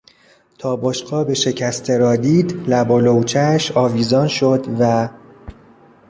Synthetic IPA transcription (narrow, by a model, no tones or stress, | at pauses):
t̪ʰɒːboʃqɒːbe̞ʃe̞cʰæst̪ʰe̞ɾɒːd̪iːd̪læbɒːlowt͡ʃʰæʃɒːviːzɒːnʃod̪væ